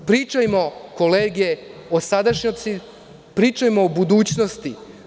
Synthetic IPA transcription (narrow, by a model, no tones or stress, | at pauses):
pɾiːt͡ʃajmo̞koleːɡeosad̪aʃɲot̪si | pɾiːt͡ʃajmoːbud̪uːt͡ɕnost̪i